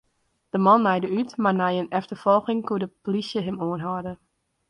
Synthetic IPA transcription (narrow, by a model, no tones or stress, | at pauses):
d̥əmɔnːɛjdəytmarnajənɛftərfɔlˠxɪŋkudəplisjəɦɪmoənɦɔdə